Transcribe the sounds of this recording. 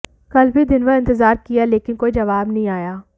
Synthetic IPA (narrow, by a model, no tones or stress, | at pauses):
kɐlbʱid̪ɪnʋəɾɪ̃nt̪ɪzaːɾkijaleːkɪnkoːid͡ʒɐʋaːbnɐĩaːjaː